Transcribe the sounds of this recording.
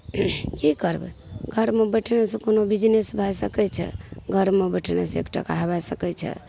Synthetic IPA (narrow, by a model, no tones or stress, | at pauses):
kikəɾbɛ̰ɡʱəɾmebəʈʰnesə̃konobid͡ʒnesbʱajsəkɛt͡ʃʰɛ̰ɡʱəɾmebəʈʰnḛsḛkʈa̰ka̰ɦbasəkɛt͡ʃʰɛ̰